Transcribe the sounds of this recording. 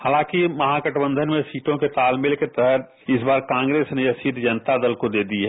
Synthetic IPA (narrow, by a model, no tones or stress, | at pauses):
haːlãːkimɐɦãkəʈbə̃nd̪ʱənmẽsiːʈõket̪aːlmɪlket̪ɛɦət̪̚ | ɪsbaːɾkãːŋɡɾeːsnejɐsiːd̪d͡ʒɐnt̪ad̪əlkod̪eːd̪iɦɛː